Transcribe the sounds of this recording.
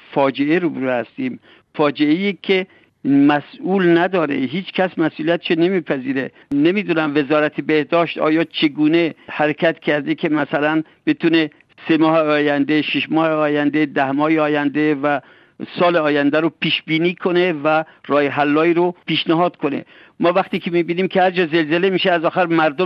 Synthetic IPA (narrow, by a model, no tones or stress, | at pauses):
fɒːd͡ʒeeɾobuɾehæst̪iːm | fɒːd͡ʒeejikʲʰe | mæsʔuːlnæd̪ɒːɾḛɦiːt͡ʃkʰæsmæsʔuːlijæt̪ʃene̞miːpʰæziːɾe | nemid̪uːnæmve̞zɒːɾæt̪ʰebehd̪ɒːʃt̪ɒ̰ːjɒːt͡ʃʰeɡuːne̞hæɾekʰæt̪cʰæɾd̪ekʲʰe̞mæsælæn | b̥et̪ʰune | semɒːheɒːjænd̪eʃiʃmɒːheɒːjænd̪ed̪æhmɒːheɒːjænd̪evæ | sɒːleɒːjænd̪æɾopʰiːʃbiːniːkʰo̞nevæ | rɒːjɦælːɒːiːɾopʰiːʃnæɦɒːd̪̥kʰone̞̰ | mɒːvæxt̪iːkʰemiːbiːniːmkʰʲehæɾd͡ʒɒːzelzelemiːʃeæzɒːxæɾmæɾd̪o